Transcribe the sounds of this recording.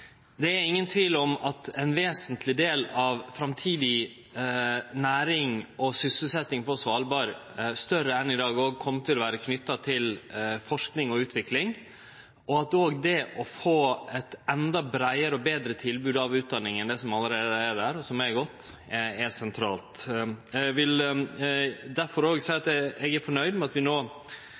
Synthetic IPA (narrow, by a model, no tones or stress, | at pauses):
d̪ɛæɾɪŋːənt̪ʰʋiːlɔmɑt̪ɛnʋeːsənt̪ʰlɪd̪eːlɑʋfɾɑmt̪ʰiːd̪ɪ | næːɾɪŋʔɔsʏsəl̩sɛt̪nɪŋpʰɔsʋɑːlbɑːɾ | st̪œɾəɛnɪd̪ɑːɡoːɡ̚kʰɔmːət̪ʰɪlɔʋæːɾəkʰnʏt̪ːɑt̪ʰɪlfɔʂknɪŋɔʉːt̪ʰʋɪklɪŋ | ɔɑt̪oːɡd̪ɛʔɔfoːɛt̪ɛnd̪ɑbɾæɪəɾəɔbeːd̪ɾət̪ʰɪlbʉːd̪ɑʋʉːt̪̚d̪ɑnːɪŋɛnd̪ɛsɔmɑlːəɾeːd̪əæd̪æːɾɔsɔmɛɡɔt̪ː | ɛsɛnt̪ʰɾɑːlt̪ | ʋɪl | d̪æɾfɔɾoːɡsæɪɑt̪ɛɛɡæɾfɔɳœʏd̪mɛɑt̪ʋɪnoː